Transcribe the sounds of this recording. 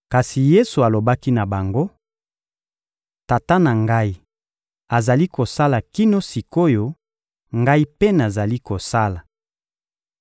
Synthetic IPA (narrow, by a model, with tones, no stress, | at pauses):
ka˨si˨je˦su˨a˨lo˨ba˦ki˦na˨ba˨ŋɡo˦ | ta˨ta˦na˨ŋɡa˦i˦ | a˨za˨li˦ko˨sa˦la˨ki˦no˦si˨ko˦jo˦ | ŋɡa˦i˦pe˦na˨za˨li˦ko˨sa˦la˨